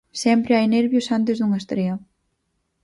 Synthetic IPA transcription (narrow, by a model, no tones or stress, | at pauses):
sɛmpɾeajneɾβjusant̪ezðuŋest̪ɾeo